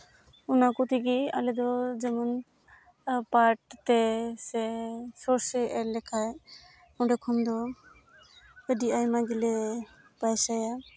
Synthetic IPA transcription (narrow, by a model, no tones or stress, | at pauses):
unakɔt̪ʰikia̰lɛd̪ɔd͡ʒɛmɔn | paɾʈ̚t̪ɛsɛsɔɾsɛɛɾlɛkʰaj | ɔɖɛkʰɔnd̪ɔ | əɖiajmaɡilɛ | pajsaja